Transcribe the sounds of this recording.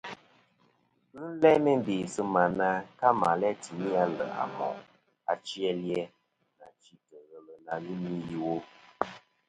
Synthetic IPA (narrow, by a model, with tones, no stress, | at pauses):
n̩˦lɛ˦me˦m˦be˨sə˦ma˨na˦ka˦ma˨lɛ˦ti˨mi˦a˦lə̰˨a̰˨mɔ̰˨ | a˨t͡ʃi˦ɛ˦ljɛ˦ | na˨t͡ʃi˦tə˨ɣə˨lə˨na˨ɣi˦mi˦ji˦wo˦